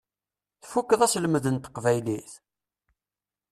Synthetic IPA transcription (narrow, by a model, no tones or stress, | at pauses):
θfukːəðˤæsləməðənt̪qvæjliθ